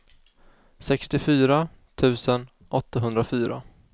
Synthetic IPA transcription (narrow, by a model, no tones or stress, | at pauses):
sɛkst̪ɪfyːɾa | t̪ʰʉ̟ːsən | ʔɔt̪ːaɦɵnd̪ɾafyːɾa̰